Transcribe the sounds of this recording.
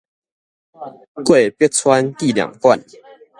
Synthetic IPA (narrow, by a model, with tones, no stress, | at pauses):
kwe˥˨pjt̚t͡sʰwa˦nki˥˨lja̰˨˩ŋkwa˥˨n